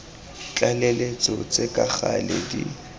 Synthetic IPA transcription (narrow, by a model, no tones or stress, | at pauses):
t͡ɬʼalelet͡sʼɔt͡sʼekʼaχaledi